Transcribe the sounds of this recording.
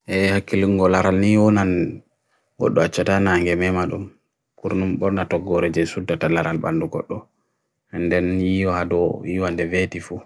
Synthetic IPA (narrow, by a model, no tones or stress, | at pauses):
ʔɛhakːiliŋɡɔlaɾalniwɔnan | ɡɔ̰ɗːɔat͡ʃːatanaŋɡɛmɛmaɗṵm | kuɾnumɓɔɾnatɔɡːɔɾɛd͡ʒɛsudːatalaɾalɓa̰nduɡɔ̰ɗːɔ | ɛndɛnjiwaadɔjiwandɛvetifu